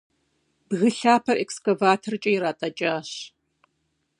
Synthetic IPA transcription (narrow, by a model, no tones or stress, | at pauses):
bɣɨɬaːpʰɐrʔekskɐvaːtʰɐrt͡ʃʼɐjɾaːtʼɐt͡ʃʼaːɕ